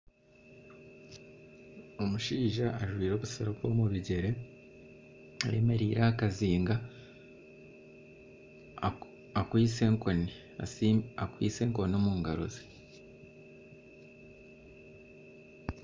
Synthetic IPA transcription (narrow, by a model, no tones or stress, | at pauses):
o̞muʃiːʒaʔːʒwiːɾo̞ːβusaɾobwo̞muβiɟe̞ɾe̞ | aɾeme̞ɾiːɾaːkaziːŋɡa | akwiːseŋkoni | asakwiːse̞ːŋko̞nomuːŋɡaɾo̰ze